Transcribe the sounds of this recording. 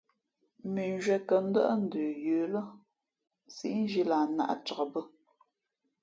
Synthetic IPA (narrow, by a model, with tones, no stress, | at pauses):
mi˨n˦ʒɥɛ˨kə˨n̩˦də˦ʔn̩˦dəː˨jəː˨lə˦ | si˨˦n̩˦d͡ʒi˦la˨na̰˦ʔt͡ʃə˨kə˨bə˦